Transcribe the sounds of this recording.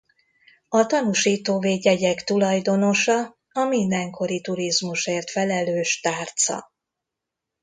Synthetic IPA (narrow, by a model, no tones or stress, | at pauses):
ɒt̪ɒnuʃiːt̪oːveːɟɛɟɛkt̪ulɒjd̪o̞no̞ʃɒ | ɒmind̪ɛŋko̞ɾit̪uɾizmuʃeːrt̪fɛlɛløːʃt̪aːrt̪sɒ̰